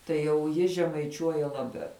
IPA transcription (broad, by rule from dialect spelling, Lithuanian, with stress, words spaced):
tɐɪ jɛʊ ˈjɪ ʒʲɛmɐɪˈt͡ʃʲuɔjɛ lˠɐˈbʲɛʊ